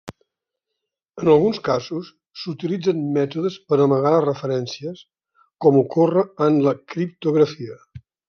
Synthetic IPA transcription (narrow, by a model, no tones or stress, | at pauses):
ənəlˠɣunskazusː | ut̪ilid͡zənmɛt̪uðəspəɾəməɣaərəfəɾɛnsiəs | kɔmukorəːnləkɾip̚t̪uɣɾəfiə